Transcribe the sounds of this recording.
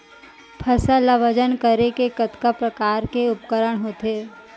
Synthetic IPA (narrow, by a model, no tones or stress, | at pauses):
pʰɐsalaʋəd͡ʒənkəɾekekət̪kapɾəkaːɾkeʊpkəɾəɽ̃ɦoːt̪eː